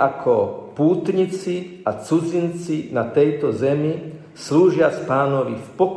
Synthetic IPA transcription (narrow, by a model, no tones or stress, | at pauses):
akʰɔpuːt̪ɲit͡siat͡sud͡zint͡sinat̪ɛjt̪ɔzɛmi | sluːʒɪaspaːnɔʋifpɔ